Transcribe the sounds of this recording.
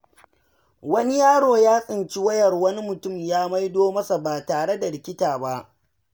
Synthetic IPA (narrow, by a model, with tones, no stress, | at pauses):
wɐ˦ni˦jaː˦ɽoː˨jaː˦sʼɪ˨nt͡ʃi˦wɐ˦jɐ˨rwɐ˦ni˦mʊ˨tʊ˦˨mjaː˦ma˦jdoː˦mɐ˦sa˨baː˨taː˨ɽe˦da˨ɽɪ˨kʲɪ˦taː˨ba˦ʔ